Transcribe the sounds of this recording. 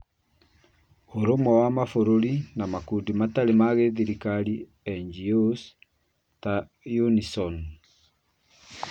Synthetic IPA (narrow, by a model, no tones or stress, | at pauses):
oɾomɔwamafoɾoɾinamakudimataɾemaɣeðiɾikaɾi | ɛɲd͡ʒios | ta | junisɔn